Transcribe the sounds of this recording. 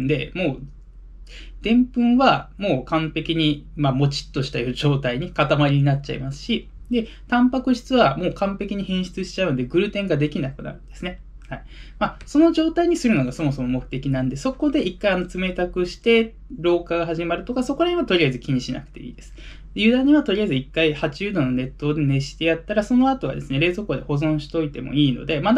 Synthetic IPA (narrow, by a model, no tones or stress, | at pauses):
nd̪e̞mo̞ː | d̪̥ẽ̞mpɯ̟̃ɰ̃βamo̞ːkãmpe̞kʲiɲ̟imamo̞t͡ɕi̥t̪ːo̞ɕi̥t̪ajoʑo̞ːt̪aiɲ̟ikat̪amaɾʲiɲ̟inat͡ɕa̰ḭmasɨ̥ɕi | d̪e̞ | t̪ãmpakɯ̟ɕi̥t͡sɨβamo̞ːkãmpe̞kʲiɲ̟ihẽ̞ɰ̃ɕi̥t͡sɨɕi̥t͡ɕaɯ̟nod̪e̞ɡɯ̟ɾɯ̟t̪ẽ̞ŋɡad̪e̞kʲinakɯ̟na̰ɾɯ̟̃nd̪e̞sɨne | haimaso̞no̞ʑo̞ːt̪aiɲ̟isɨɾɯno̞ɡaso̞mo̞so̞mo̞mo̞kɯ̟̥t̪e̞kʲinãnd̪e̞so̞ko̞d̪e̞ʔikːaiano̞t͡sɨme̞t̪akɯ̟ɕi̥t̪e̞ | ɾo̞ːkaɡaɦaʑimaɾɯ̟t̪o̞kaso̞koɾaɲ̟iβat̪o̞ɾʲiaizɨkʲiɲ̟iɕina̰kɯ̟̥t̪e̞̰ḭːd̪e̞sɨ̥ | d̪ejɯ̟ːd̪ãɲ̟iβat̪o̞ɾʲiaizɨikːaihat͡ɕiɯːd̪o̞nːone̞t̪ːo̞ːd̪e̞ne̞ɕi̥t̪e̞jat̪ːaɾaso̞no̞at̪o̞βa̰d̪e̞sɨne̞ɾe̞ːzo̞koːd̪eho̞zõ̞ɕi̥t̪o̞it̪e̞mo̞̰iːno̞̰d̪e̞mad̪